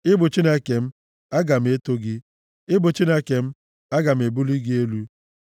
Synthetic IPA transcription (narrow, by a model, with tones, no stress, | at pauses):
ɪ˦bʊ˨t͡ʃi˦ne˦ke˨m̩˦ | a˦ɡa˨m̩˦e˦to˦ɡɪ˦ | ɪ˦bʊ˨t͡ʃi˦ne˦ke˨m̩˦ | a˦ɡa˨m̩˨e˨bu˦li˦ɡɪ˦e˦lu˦